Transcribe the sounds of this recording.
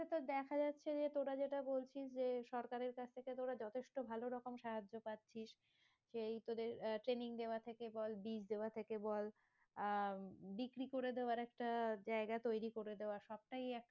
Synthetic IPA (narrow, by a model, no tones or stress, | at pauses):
et̪od̪ɛkʰad͡ʑat̪ːɕʰed͡ʑet̪oɾad͡ʑeʈabolt͡ɕʰiʃd͡ʑeʃɔɾkaɾeɾkat͡ɕʰt̪ʰeket̪oɾad͡ʑɔt̪ʰeʃʈobʱaloɾɔkomʃaɦad͡ʑːopat̪ːɕʰiʃ | ʃejt̪od̪eɾʈɾeniŋd̪eoat̪ʰekebɔlbid͡ʑd̪eoat̪ʰekebɔl | bikɾikoɾed̪eoaɾɛkʈad͡ʑaeɡat̪ojɾikoɾed̪eoaʃɔb̚ʈajɛk̚ʈ